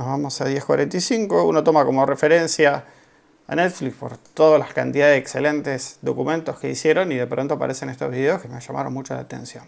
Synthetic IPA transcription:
nozβamosaðjehkwa̰ɾʔent̪isiŋko̞ṵnot̪o̞mako̞morefeɾensja | a̰net̪flikspo̞ɾt̪oðoslaska̰nt̪iðaðeekselent̪esðo̞̰kumẽ̞nt̪o̞ske̞isje̞ɾo̞niðe̞pɾont̪oapa̰ɾese̞nest̪ozβiðeoskemeʒama̰ɾonmut͡ʃola̰ːt̪ḛnsjon

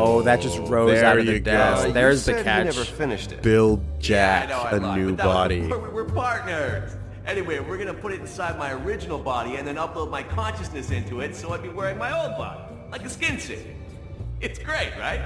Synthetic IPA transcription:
oʊðɨt̚d̥ʒ̥ʌst̚ɹoʊzaʊʌjðɨɡæ̃ðə˞ɨzðɨkʰænɛt͡ʃvə˞fɪ̃nɨʃtɨ̰tb̥ɪlˠdd͡ʒæknoɨnʉɑɾiwɪɹpʰɑɹtⁿnə˞z | ʔɛniweɪwɪɹɡʌnɨpʰʊɾɨɾn̩saɪd̚maɪə˞ɪd͡ʒɨnl̩ˠbɑɾiɨ̃nðɨ̃nʌploʊd̚maɪkʰɑ̃nʃɨsnɨsɪ̃ntuɪtsoʊaɪb̥iwɛɹɪ̃ŋmaɪoʊlˠd̚bɑ̰ɾi | laɪkɨskɪ̃nsɪ̰̃k | ɪtsɡ̥ɹeɪt̚ɹa̰ɪt̚

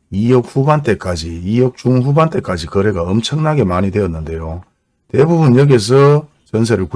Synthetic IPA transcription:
ijʌk̚ɸubant͈e̞k͈ad͡ʑiːjʌk̚t͡ɕ͈uŋɸubant͈e̞k͈ad͡ʑikʌɾe̞ɡaʌmt͡ɕʰʌŋnaɡe̞maɲide̞ʌt̚nːɯnde̞jo | tebubunjʌɡe̞s̬ʰʌ | t͡ɕʌns̬ʰeɾɯɭku

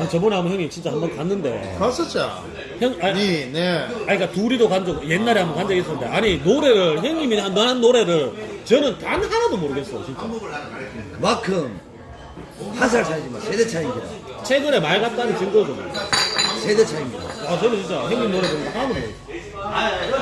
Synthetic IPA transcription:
at͡ɕʌmuneɦamʌnɦjʌŋːimt͡ɕint͡ɕ͈ahambʌnkanːɯnde̞̰kɯɾas͈ʌt͡ɕ͈a | hʌŋanineaɲik͈atuɾidokand͡ʑʌɡje̞nːaɾehambʌnkand͡ʑaɡes͈ʰʌnːɯndeʔaɲinoɾe̞ɾɯɭçeŋimiɦannnɦanːoɾe̞ɾɯɭt͡ɕʌnɯntanhaɾadomoɾɯɡe̞ts͈ʌjot͡ɕint͡ɕ͈a̰ | makʰɯm | has̬ʰaɭsʰaɭd͡ʑimasʰedet͡ɕʰajimɡeda̰ | t͡ɕʰeɡɯɾe̞maɭɡat̚t͈anɯnt͡ɕɯnɡod͡ʑoɡe | sʰedet͡ɕʰaimɡidaat͡ɕʌnɯt͡ɕint͡ɕ͈açjeŋɲimnoɾe̞bondahanadomoɾe

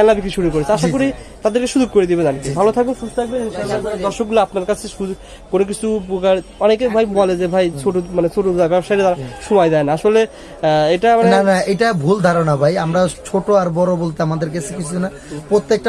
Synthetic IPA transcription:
ɛlabikiʃʰuɾukoɾet͡ɕʰeaʃakoɾi | t̪ad̪eɾkeʃud͡ʑuɡ̚koɾed̪ibed͡ʑankibʱalot̪ʰak̚bensust̪t̪ʰak̚beninʃaad͡ʑaɾad̪ɔɾʃok̚ɡulaapnaɾkat͡ɕʰeʃu | konok̬it͡ɕʰupukaɾɔnekebʱajbɔled͡ʑebʱajt͡ɕʰoʈomanet͡ɕʰoʈoabɛbʃajɾt̪aɾaʃumajd̪aenaaʃole | ejʈamanenanaejʈabʱuld̪ʱaɾonabʱajamɾat͡ɕʰoʈoaɾbɔɾobolt̪eamad̪eɾket͡ɕʰekit͡ɕʰuna | pɾot̪ːek̚ʈa

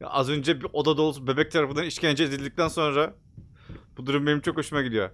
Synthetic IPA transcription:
ja̰ʔazø̞nd͡ʒɛbiʔo̞d̪ad̪o̞ːlˠsube̞bɛc̚t̪ʰaɾafɯnd̪aniʃcænd͡ʒɛːd̪ilʲd̪ic̚t̪ʰænso̞nɾa | b̥ud̪uɾumbenimt͡ʃʰo̞kho̞ʃumaɟid̪ʲijo

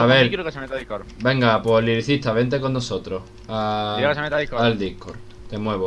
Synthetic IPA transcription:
aβeɾksɾbe̞ŋɡapweɦliɾiθit̪aβe̞nt̪ekonːoso̞t̪ɾoh | aseald̪ihkoɾ | t̪e̞mwe̞βo

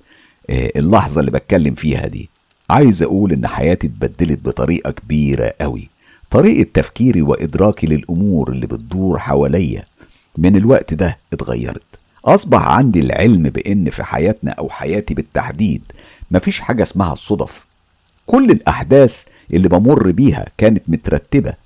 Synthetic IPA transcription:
ʔelːɑħzˤɑlːibæt̪̚kælːemfiːhæ̰d̪ḭː | ʕaːjezʔæ̰ʔuːlʔenːħa̰jæːt̪it̪̚bæd̪ːelet̪̚bet̪ˤɑɾiːʔɑkbiːɾæ̰ʔæwḭ | t̪ˤɑɾiːʔɑt̪ːæfkiːɾiweʔɪed̪ɾɑːkilelʔʊmuːɾʔelːibet̪̚d̪uːɾħawælejːæ̰ | mɪnelwæʔt̪d̪æʔet̪ɣɑ̰jːɑ̰ɾˤɑt̪ | ʔɑsˤbɑ̰ħʕa̰nd̪ilʕelmbeʔenːfḭħa̰jæːt̪næ̰ʔæwħajæːt̪ibɪt̪ːaħd̪iːd̪ | mæfiːʃħaːɡæsmæhæ̰sˤːod̪ˤɑf | kʊlːelʔaħd̪æːs | ʔelːibɑmorːbiːhæ̰kæːnet̪mot̪æɾˤɑt̪ːɪbæ̰

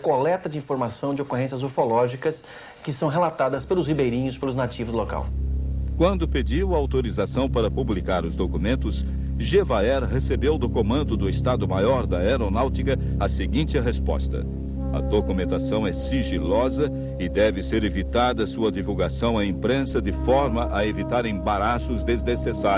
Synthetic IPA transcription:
kolɛt̪ɐd͡ʒɪĩfoɾmasɐ̃w̃d͡ʒɪokoɦẽsijɐzofolɔʒikɐs | kɪsɐ̃w̃ɦelat̪ad̪ɐspelʊshibejɾĩɲʊspelʊznat͡ʃivʊzloka̰wkwɐ̃nd̪ʊped͡ʒiwɐawt̪oɾizasɐ̃w̃paɾɐpublikaɾʊzd̪okumẽnt̪ʊs | ʒevaɛɾɦesebewd̪ʊkomɐ̃nd̪ʊd̪ʊɪst̪ad̪ʊmajɔɾd̪ɐeɾonawt͡ʃikɐ | ɐseɡĩnt͡ʃ̪ɪɦespɔ̰st̪ɐ̰ | ɐ̰d̪okumẽnt̪asɐ̃w̃ɛsiʒilɔzɐ | ɪd̪ɛvɪseɾevit̪ad̪ɐsuɐd̪ivuwɡasɐ̃w̃ɐĩpɾẽsɐd̪ɪfɔɾmɐʔɐevit̪aɾẽbaɾasʊzd̪eznesesa

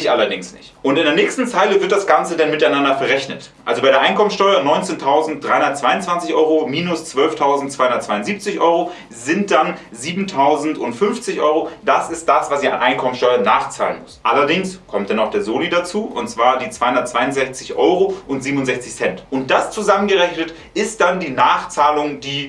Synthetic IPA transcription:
ɪçʔalɐdɪŋsnɪ̰çtʔʊntɪndeːɐnɛːçstn̩t͡saɪləvɪɐt̚d̥asɡ̥ant͡sədanmɪtaɪnandɐfɛɐʁɛçnət | ʔʔalzobaɪeːɐʔaɪnkʰɔmənsʃtɔʏɐnɔʏnt͡seːntʰaʊzn̩t̚d̥ʁaɪhʊndɐtt͡sv̥aɪʊnt͡sv̥ant͡sɪçʔɔʏʁomiːnʊst͡sv̥œlftʰaʊzn̩t̚t͡sv̥aɪhʊndɐtt͡svaɪʊntziːp̚t͡sɪçʔɔʏʁo | zɪnt̚d̥an | ziːbm̩tʰaʊzn̩tʊntfʏnft͡sɪçʔɔʏʁod̥asɪst̚d̥asv̥asiːa̰nʔaɪnkʰɔmənsʃtɔʏɐnaːχt͡sa̰ːlənmʊsʔalɐdɪŋskʰɔmtd̥anaʊxd̥eːɐzoːlidat͡suːʔʊ̰ntt͡sv̥aːɐdiːt͡sv̥aɪhʊndɐt̚t͡sv̥aɪʊnzɛçt͡sɪçʔɔʏʁoʔʊntz̥iːbmʊnzɛçt͡sɪçsɛntʔʊnt̚d̥ast͡suzamənɡəʁɛçnət | ʔɪst̚d̥andiːnaːχt͡saːlʊŋdiː

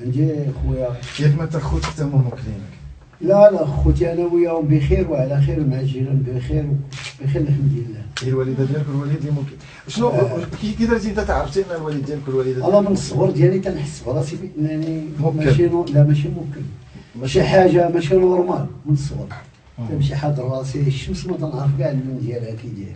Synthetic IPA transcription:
ʕənd̪ixwəjajækmænt̪ːəɾxut̪kt̪æmumʊkənnək | lælæxut̪ænæwəjːæhʊmbixiɾwʕlæxiɾmʕʒilumbixiɾwb̥ixælːəkəmd̪inəlːælwælid̪æd̪jælkulwælid̪limʊmkən | ʃnukikəd̪əɾt̪int̪æt̪aʕɾəft̪iʔnælwælid̪ːjælkʊlːwælid̪æɑlːɑmənəsˤːɣəɾˤd̪jælit̪ænħəsːfɑlɑsibinænimmæʃilæmæʃimʊmkən | mæʃiħaʒamæʃilwəɾˤmɑmənəsˤːɣəɾˤ | t̪ænəmʃiħad̪əɾˤɑsiʃːəmsmæt̪ænʔəɾˤfɡaʕnimənd̪jælhækid̪jæl

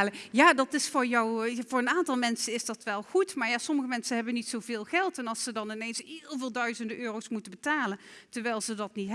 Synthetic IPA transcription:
ləjaːdɑtɪsfʊːɹjɔwvʊːɹənaːntɑlˠmɛnsənɪzdɑtʋɛlˠχutmaːɹjaːsɔməɣəmɛnsəɦɛbənitsowvɪːlˠχɛlˠtɛnɑlˠsədɑnɪnejnsɦɪːlˠvɪːlˠdœɥzəndəʔøːrowsmutəbətaːlən | təɹʋɛjlˠzədɑtnitɦ

